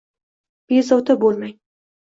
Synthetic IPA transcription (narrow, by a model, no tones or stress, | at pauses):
b̥ezawt̪ʰabolˠmaj